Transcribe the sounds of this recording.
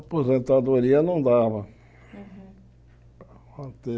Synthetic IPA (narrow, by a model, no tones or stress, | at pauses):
pozẽnt̪ad̪oɾiɐnɐ̃w̃d̪avɐ | at̪e